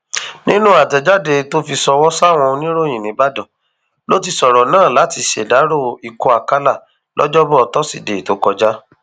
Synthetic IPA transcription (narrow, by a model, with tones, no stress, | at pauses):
nĩ˦nũ˦a˦˨tɛ˨d͡ʒa˦de˧to˦fi˧sɔ˧wɔ˦sa˦˨w̃ɔ̃˧nĩ˦ɾo˦j̃ĩ˨nĩ˨˦ba˦dɔ̃˨ | lo˦ti˧sɔ˨ɾɔ˨nãː˦˨la˨˦ti˧ʃḛ˨da˨˦ɾo˦˨i˧kɔ˧˦a˨ka˦la˦˨ | lʔɔ̰˦d͡ʒɔ˦bɔ˦ɔ˧tɔ˦si˦˨de˨to˨˦kɔ˧d͡ʒa˦